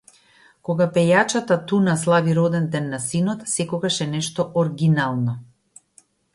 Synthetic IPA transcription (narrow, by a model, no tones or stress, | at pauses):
kɔɡapɛjat͡ʃat̪at̪unaslˠaviɾɔd̪ɛnd̪ɛnːasinɔt̪sɛkɔɡaʃɛnɛʃt̪ɔʔɔɾɡinalˠnɔ